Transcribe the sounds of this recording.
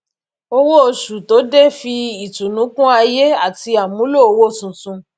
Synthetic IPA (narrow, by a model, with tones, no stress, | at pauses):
o˧wo˦o˧ʃu˨to˨˦de˦˨fi˧i˨tũ˨nũ˨˦kũ˦a˧je˦a˦˨ti˧a˨mũ˨˦lo˦˨o˧wo˦˨sũ˨tũ˧